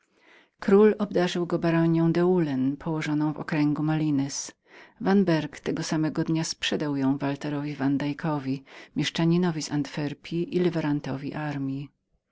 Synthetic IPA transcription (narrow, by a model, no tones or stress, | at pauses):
kɾulɔbd̪aʐɘwɡɔbaɾɔɲjɔ̃w̃d̪ɛulɛnpʰɔwɔʐɔnɔ̃w̃vɔ̰kɾɛŋɡumalʲinɛs | vanbɛɾkt̪ɛɡɔsamɛɡɔd̪ɲaspʂɛd̪awjɔ̃w̃valt̪ɛɾɔvʲivand̪ajkʰɔvʲimʲjɛʂt͡ʂaɲinɔvʲizant̪fɛɾpʲʰiʔilɘvɛɾant̪ɔvʲiʔaɾmʲji